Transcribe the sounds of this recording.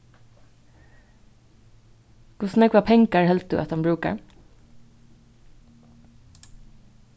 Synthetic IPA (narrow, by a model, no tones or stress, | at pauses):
kʰʊsn̩ɛkʰʋaːpʰɛŋkaɹhɛlt̪̚d̪ʉ̰ʔɛ̰t̪hanmbɹʉːka̰ɹ